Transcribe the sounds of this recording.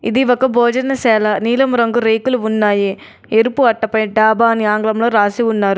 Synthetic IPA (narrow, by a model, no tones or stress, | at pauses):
ḭd̪iʋɔkɐbʱoːd͡ʒɐnɐsɛːlɐniːlɐmuɾɐŋɡuɾejkuluunːaːjeː | eɾupuɐʈːɐpɐjɖaːbaːniaːŋɡlɐmloːɾaːsiunːaːɾu